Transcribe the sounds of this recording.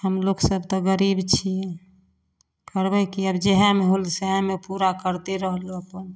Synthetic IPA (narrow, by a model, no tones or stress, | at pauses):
həmloksəbʱt̪ɔɡəɾibt͡ʃʰiɛ | kəɾbɛkiəbd͡ʒɛɦɛmeɦolseɦɛ̃mepuɾakəɾt̪eɾəɦəloəpən